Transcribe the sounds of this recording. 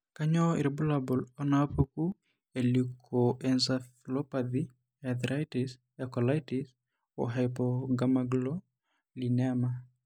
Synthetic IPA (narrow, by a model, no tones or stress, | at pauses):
kaɲɔḭɾbulabulɔnapoku | elikʰɔʔɛnsaflɔpaði | ad̪ɾajtis | akɔlajtis | ɔ̰ɦajpɔɡamaɡlɔ | liniama